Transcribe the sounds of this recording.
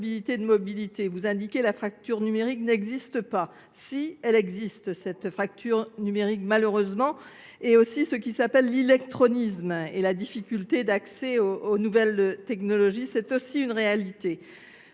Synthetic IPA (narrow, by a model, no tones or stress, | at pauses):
bilit̪ed̪əmɔbilit̪evuzɛ̃d̪ikʲelafχak̚t̪yʁnymeʁiknɛɡzist̪əpa | siɛlɛɡzist̪sɛt̪fχak̚t̪ʰyʁnymeʁikmaløʁøzmɑ̃ | eosisəkʲisapɛlːilɛkt̪χɔnismelad̪ifikʲylt̪ed̪aksɛoːnuvɛlt̪ɛknɔlɔʒisɛt̪osiynʁealit̪e